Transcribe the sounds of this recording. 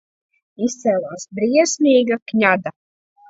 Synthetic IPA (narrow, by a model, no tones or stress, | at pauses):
ist̪sɛːlˠaːsbɾiɛsmʲiːɡakɲʲad̪a